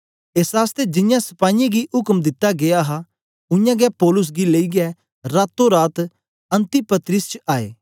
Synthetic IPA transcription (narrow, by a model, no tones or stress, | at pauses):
eːsɦaːst̪ed͡ʒɪnjãsɐ̥paːɪjãɡiʊkmd̪ɪt̪ːaɡeaɦa | ʊɪjãɡɛpɔːlʊs̬ɡileːiɡɛ | ɾaːt̪ːoɾaːt̪ | ɐ̃nt̪ipɐt̪ɾɪst͡ʃaːḛː